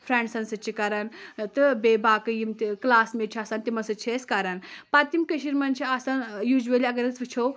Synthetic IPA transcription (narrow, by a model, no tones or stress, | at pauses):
fʰɾɛɳɖsɐnsɐt͡ʃʰikaɾɐnt̪ɨbebakɨjimt̪iklaːsmet͡ʃʰaːsant̪imɐnsɨt͡ʃʰeskaɾɐnpat̪imkəʃiɾmɐnt͡ʃʰiasanjud͡ʒʋelʲiɐɡɐɾɐt͡sʋit͡ʃʰow